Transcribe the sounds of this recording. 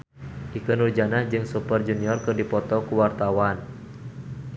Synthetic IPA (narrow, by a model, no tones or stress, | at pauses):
ʔikənurd͡ʒanad͡ʒɨŋsupərd͡ʒuniɔrkɨrdipɔt̪ɔkuwart̪awan